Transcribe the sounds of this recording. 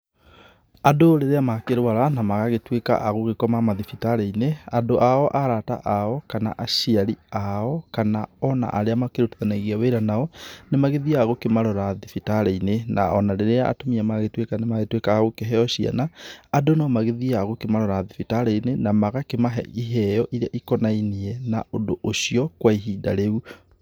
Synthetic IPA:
adoɾeɾeamakeɾwaɾanamaɣaɣetweka̰ʔaɣoɣekɔmamaðifitaɾeineadoʔaɔʔaɾata̰ʔaɔkana̰ʔaʃiaɾiaɔkanaɔna̰ʔaɾeamakeɾoteðanaɣiaweɾanaɔnemaɣeðiaɣokemaɾɔɾaðifitaɾeinena̰ɔnaɾeɾeaʔa̰tomiamaɣetwekanemaɣetwekaɣokeɦɛɔɕia̰naːdonɔmaɣeðiaɣokemaɾɔɾaðifitaɾeinenamaɣakemaɦɛ̰iɦɛjɔʔiɾeaʔikɔnainiɛnaondoʔoʃiɔkwaiɦida̰ɾeu

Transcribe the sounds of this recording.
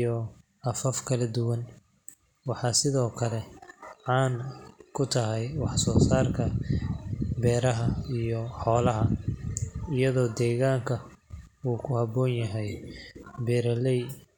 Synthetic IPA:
ɔ | ɐfɐfkʰɐlɐd̪ʊwɐn | wɑħɑːsɪðɔːkʰɐlɛʕɑːnkʰʊt̪ʰɐɦɛjwɑħsɔːsaːrkʰɐ | bɛːɾɐɦɐijɔħɔːlɐɦɐ | ɪjɐðɔːd̪ɛːɣaːŋkʰɐuːkʰʊhɐbɔːnjɐɦɛj | bɛːɾɐlɛj

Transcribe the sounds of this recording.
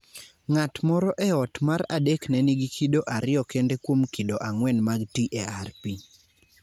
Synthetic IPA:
ŋatmɔɾɔʔɛɔtmaɾa̰deknɛniɡikʰidoʔaɾɪɔkendekwomkidoʔaŋwɛnmaɡtiʔɛarpi

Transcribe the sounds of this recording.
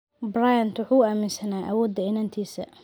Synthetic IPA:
brajɐnt̪wʊħuːaːmɪnsɐnaːʔɐ̰wɔːd̪ːɐɪnaːnt̪ʰiːsɐ̰

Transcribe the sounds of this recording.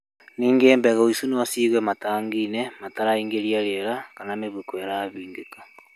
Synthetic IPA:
niːŋɡeːmbɛɣaoisunowasiːɣwɛmataːŋɡinɛmataɾaiːŋɡeɾiaɾeɾakananeβekwɛɾaβiːŋɡekḁ

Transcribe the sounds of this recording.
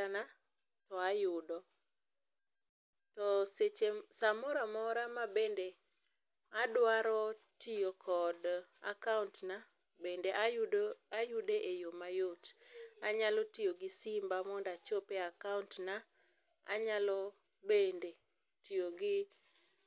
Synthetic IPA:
ana | tɔajʊdɔ | tɔset͡ʃesamɔɾamɔɾamabende | adwaɾɔ | tijokʰɔda̰kauntna | bendeʔaajʊdeʔejomajotaɲalɔtijoɡɪsimbamɔndat͡ʃopeakauntna | a̰ɲalɔ | bende | tijoɡɪ

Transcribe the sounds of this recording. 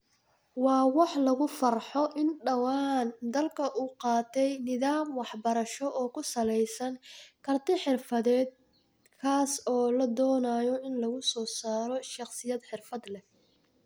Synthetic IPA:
wɑːwɑħlɐɣʊfɐrħɔʔɪnɖɐwɑːnd̪ɐlkʰɐʔuːqɑːt̪ʰɛjnɪðaːmwɑħbɐɾɐʃɔʔɔːkʰʊsɐlɛjsɐnkʰɐrt̪ʰɪħɪrfɐðɛːd̪̚ | kʰaːsɔːlɐd̪ɔːnaːjɔʔɪnlɐɣʊsɔːsaːɾɔʃɑqsɪjɐd̪ħɪrfɐd̪lɛ

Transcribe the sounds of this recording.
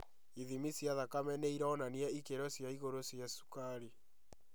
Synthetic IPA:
iðimisjaðakamɛneiɾaːnaniɛikeɾɔsjaiɣoɾosjasu̥kaɾi

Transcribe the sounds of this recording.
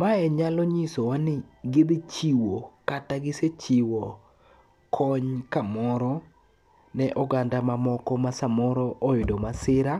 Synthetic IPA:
maɛɲalɔɲisowanɪɡibit͡ʃiwokataɡɪset͡ʃiwɔ | kʰɔɲkamɔɾɔ | nɛʔɔɡandamamɔkɔmasamɔɾɔʔɔɪdɔmasɪɾa

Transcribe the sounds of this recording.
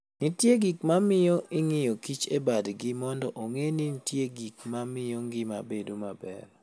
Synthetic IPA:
nitjeɡikmamɪjoʔɪŋɪjɔkit͡ʃebadɡɪmɔndɔʔoŋenitjeɡik̚mamɪjɔŋɡɪmabedomabɛ̰ɾ

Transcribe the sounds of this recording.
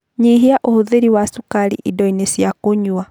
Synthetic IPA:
ɲiɦiaʔohoðeɾiwasukaɾḭʔidɔinesjakoɲua

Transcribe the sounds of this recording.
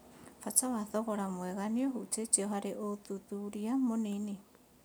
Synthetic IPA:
fatawaðɔɣɔɾamwɛɣanioɦutet͡ʃiɔɦaɾeʔoðuðuɾiamonene

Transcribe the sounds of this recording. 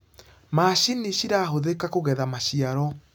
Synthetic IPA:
maɕiniɕiɾaːɦoðekakoɣɛðamaɕiaɾɔ

